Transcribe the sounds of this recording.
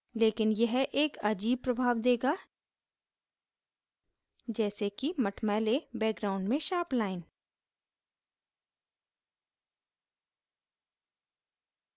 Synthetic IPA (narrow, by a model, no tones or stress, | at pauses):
leːkɪnjɐɦʔeːkɐd͡ʒiːb̚pɾɐbʱaːʋd̪eːɡaː | d͡ʒɛːsekimɐʈʰmɛːlebɛːk̚ɡɾaːʊ̃ɳɖmẽʃaːplaːɪn